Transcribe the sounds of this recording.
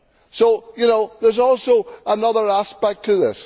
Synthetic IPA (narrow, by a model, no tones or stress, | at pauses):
soʊjɨnoʊðə˞zɔlˠsoʊənʌðə˞aspɛk̚tʰəðɪ̰s